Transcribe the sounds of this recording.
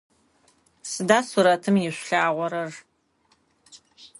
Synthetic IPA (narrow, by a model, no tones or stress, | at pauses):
sɨdaːsuɾɐtʰɨmjɪɕʷɬaːʁʷɔɾɐr